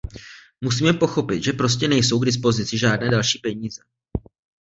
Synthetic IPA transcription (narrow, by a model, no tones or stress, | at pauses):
mus̬iːmɛpo̞xo̞pɪt̪ʒɛpɾo̞s̬cɛnɛjso̞wɡdɪs̬po̞zɪt͡sɪʒaːdnɛːdalʃiːpɛɲiːzɛ